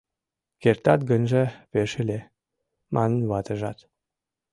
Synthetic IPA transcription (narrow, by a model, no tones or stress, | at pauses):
kert̪ɑt̪̚ɡənʒĕβeʃelʲe | mɑnə̆nβɑt̪ə̆ʒɑt̪